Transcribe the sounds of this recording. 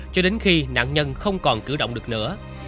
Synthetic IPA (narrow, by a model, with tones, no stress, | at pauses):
t͡ɕɔ˧ɗe˨˦nxi˧na̰ː˧˨ŋɲə˧nxə˧wŋ͡mkɔ˨˩nkɨ̰˨˧˩wɗo̰˧˨wŋ͡mɨ˨˩ək̚nɨ̰˧˥ə